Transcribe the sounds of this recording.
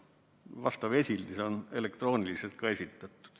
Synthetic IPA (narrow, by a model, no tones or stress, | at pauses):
ʋɑst̪ɑʋesʲilniseonelekt̪roːniliselt̪̚kɑesit̪ːæt̪ːu̥t̪